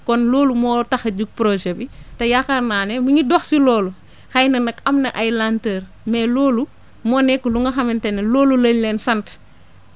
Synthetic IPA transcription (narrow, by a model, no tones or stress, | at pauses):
kɔnlɔːlumɔːtɐxɐɟuk̚pɾɔʒɛbitɐjakaɾnaːnɛmuɲidɔxsilɔːlu | xɐjnɐnɐkɐmnɐʔajlantər | mɛːlɔːlu | mɔːnɛkːluŋɡɐxɐmintɛnɐlɔːlulɐɲlɛːnsɐnt